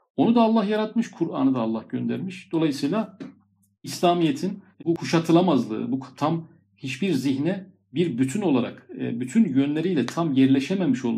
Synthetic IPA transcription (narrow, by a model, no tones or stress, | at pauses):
o̞nud̪aːlˠːaɦjaɾat̪mɯʃkʰuɾa̰nɯd̪aːlˠːahɟønd̪æ̰ɾmiʃd̪̥o̞lˠajɯsɯjlˠa | islʲaːmijet̪ʰinbukʰuʃat̪ʰɯlˠamazlˠɯ̰ːbukʰt̪ʰam | hit͡ʃbiɾziçnɛ | biɾbyt̪ʰyno̞lˠaɾa̰kːbyt̪ʰynjønlʲeɾijlʲɛt̪ʰamjɛɾlʲɛʃɛmemiʃo̞lˠ